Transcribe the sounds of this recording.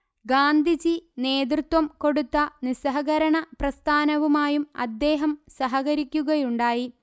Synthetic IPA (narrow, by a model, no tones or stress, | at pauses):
ɡaːnd̪ʱid͡ʑine̞ːd̪̬rɨt̪wɐmko̞ɽut̪ːɐnisɐɦɐɣɐɾɐɳɐprɐst̪ʰaːnɐʋumaːjumɐ̰d̪ːe̞ːɦɐmsɐɦɐɣɐɾikʲːuɣɐjuɳɖaːji